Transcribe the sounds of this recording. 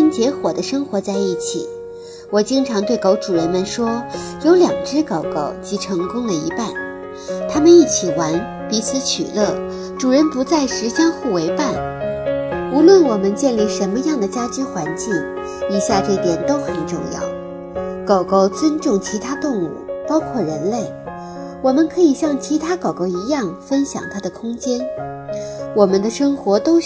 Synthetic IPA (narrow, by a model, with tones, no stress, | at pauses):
i˥nt͡ɕjɛ˧˥xwɔ˨˩d̪ə˦ʂɤ˥ŋxwɔ˧˥t͡sa˥˧ɪi˥˩t͡ɕʰḭ˨˩˦ | wɔ˨˩t͡ɕi˥ŋʈ͡ʂʰɑ˧˥ŋt̪we˥˩ɪko˧˥ʊʈ͡ʂu˨˩ɻə˧˥nmə˧nʂwɔ˥ | jo˧˥ʊljɑ˨˩ŋʈ͡ʂɻ̩˥kɑ˨˩ʊkɑ˥˩ʊt͡ɕi˧˥ʈ͡ʂʰɤ˧˥ŋkʊ˥ŋlə˨ḭ˧˥pa˥˩n | t̪ʰa˥mə˨ni˥˩t͡ɕʰi˨˩wa˧˥n | pi˧˥t͡sʰɹ̩˧˥t͡ɕʰy̰˨˩lɤ˥˩ | ʈ͡ʂu˨˩ɻə˧˥npu˧˥t͡sa˥˩ɪʂɻ̩˧˥ɕjɑ˥ŋxu˥˩we˧˥ɪpa˥˩n | u˧˥lwə˥˩nwɔ˨˩mə˦nt͡ɕjɛ˥˧nli˥˩ʂə˧˥nmə˧jɑ˥˩ŋd̪ə˩t͡ɕja˥t͡ɕy˥xwa˧˥nt͡ɕi˥˩ŋ | i˨˩ɕja˥˧ʈ͡ʂɤ˥˩t̪jɛ˨˩nt̪o˥ʊxə˨˩nʈ͡ʂʊ̰˥˧ŋjɑ̰˥˩ʊ | kɑ˨˩ʊko˧˥ʊt͡swə˥nʈ͡ʂʊ˥˩ŋt͡ɕʰi˧˥t̪ʰa˥t̪ʊ˥˧ŋṵ˥˩pɑ˥ʊkʰwɔ˥˩ɻə˧˥nle˥˩ɪ | wɔ˨˩mə˧˦nkʰɤ˧˥i˨˩ɕjɑ˥˩ŋt͡ɕʰi˧˥t̪ʰa˥kɑ˨˩ʊko˧˥ʊi˧˥jɑ˥˩ŋfə˥nɕjɑ̰˨˩ŋt̪ʰa˥d̪ə˨kʰʊ˥ŋt͡ɕjɛ˥n | wɔ˨˩mə˦nd̪ə˨ʂɤ˥ŋxwɔ˧˥t̪o˥ʊ